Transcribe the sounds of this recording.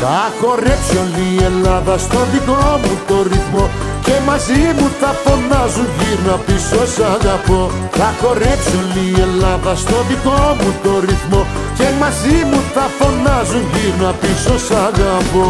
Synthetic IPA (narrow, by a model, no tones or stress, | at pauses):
t̪akɔrɛksjɔniɛlːaðast̪ɔd̪ikɔmut̪orit̪mo | kemazimut̪afonːazuʝiɾnapisosaɡapo | t̪akɔrɛksjɔnliɛlavast̪ɔd̪ikɔmũt̪oɾit̪mo | kemazimut̪afonːazuʝiɾnapisɔsaɡapo